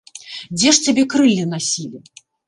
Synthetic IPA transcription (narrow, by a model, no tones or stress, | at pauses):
d͡zʲɛʂt͡sʲabʲɛkɾɨlʲːinasʲilʲi